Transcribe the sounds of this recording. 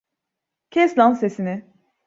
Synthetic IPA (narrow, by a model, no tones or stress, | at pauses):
cʲʰɛslansesinɪ